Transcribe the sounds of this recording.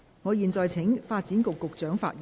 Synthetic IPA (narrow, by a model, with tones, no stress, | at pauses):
ŋɔː˨˧jiː˨nt͡sɔː˨˧jt͡sʰɪ˨˥ŋfaː˧t̚t͡siː˨˥nkʊ˨kːʊ˨k̚t͡ʃœː˨˥ŋfa̰ː˧t̚ː